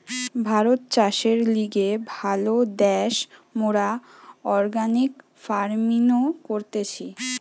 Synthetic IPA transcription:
bʱaɾot̪̚t͡ɕaʃeɾliɡebʱalod̪ɛʃmoɾaɔɾɡanik | faɾminokoɾt̪et͡ɕʰi

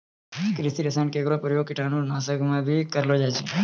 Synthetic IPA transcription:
kɾɪsiɾəsãɳkekɾopɾjoɡ̚kɪʈʰanũnaːsəkmãbʱikəɾlod͡ʒat͡ʃe

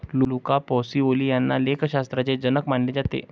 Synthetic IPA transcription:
lulukapɔsiːoliːjanːalekɕast̪ɾat͡sed͡ʑənəkmaɳled͡zat̪ḛ

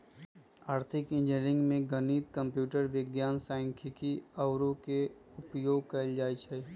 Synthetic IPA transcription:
aːɾt̪ʰɪkɪ̃nd͡ʒnɾɪ̃ŋɡmẽɡəniːt̪kə̃mpjuːʈəɾʋɪɡjaːnsaːɪ̃ŋkʰɪkiəʊɾõkeʊpjoːɡ̚kəɪld͡ʒaːit͡ʃʰɛ

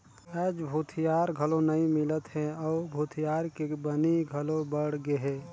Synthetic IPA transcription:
ɛːd͡ʒbʱut̪ʰijaːɾɡʱəlonəĩmɪlət̪ɦɛ̃ɔʊbʱut̪ʰijaːɾkebəniɡʱəlobəɽ̤ɡeɦe

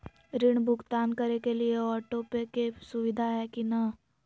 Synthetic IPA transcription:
ɾɪɽ̃bʱʊɡt̪aːnkəɾekelieɔːʈopekesʊʋɪd̪ʱaɦɛkinɐ

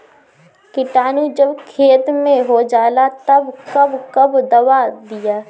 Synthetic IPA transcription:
kɪʈaːnud͡ʒɐbkʰeːt̪mẽɦod͡ʒaːlat̪ɐbkɐbkɐbd̪ɐwad̪ɪjaː

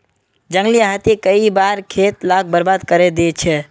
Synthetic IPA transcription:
d͡ʒə̃ŋɡliaɦat̪ekəibaːɾkʰeːt̪lak̚bəɾbaːd̪kəɾed̪et͡ʃʰɛ

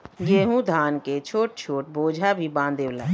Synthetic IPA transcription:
jeɦũd̪ʱaːnket͡ʃʰoːʈ̚t͡ʃʰoːʈ̚boːd͡ʒʱabʱibãːnd̪eːwlaː

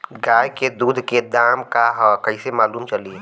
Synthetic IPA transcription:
ɡaːjked̪uːd̪ʱked̪aːmkaɦkɐisemaːluːmt͡ʃɐlie

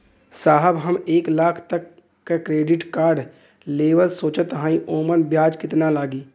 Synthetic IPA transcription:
saːɦəbɦəmeːklaːkʰt̪ɐkː | akɾeːɖɪʈkaːɾɖ | leːʋəlsoːt͡ʃət̪ɦãːĩʔoːmənbjaːd͡ʒkɪt̪nalaːɡiː

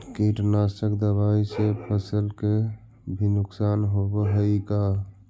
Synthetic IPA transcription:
kiʈnasʈəkd̪əβaisepʰəsəlke | bʱinuksanɦobəɦəika

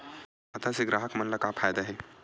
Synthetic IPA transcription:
ɐt̪ʰaseɡɾaːɦəkmɐnlɐkapʰaːjd̪aɦɛː

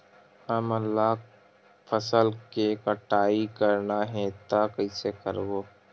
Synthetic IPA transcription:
həməlːaː | pʰəsəlkekəʈaːikəɾnaɦɛt̪akɐisekəɾɡoː

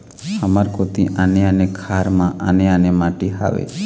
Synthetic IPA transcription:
həmaɾkot̪iʔaneənekʰaɾmãʔəneənemaʈiɦa̰ʋḛ

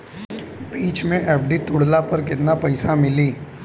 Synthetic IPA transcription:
biːt͡ʃmẽʔɛːpʰɖit̪ʊɽlapɐɾk̬ɪt̪napɐɪsamɪliː

